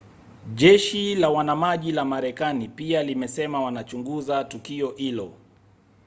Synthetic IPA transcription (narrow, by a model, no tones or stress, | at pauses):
ʄɛʃilawanamaʄilamaɾɛkanipialimɛsɛmawanat͡ʃuŋɡuzatukiɔhilɔ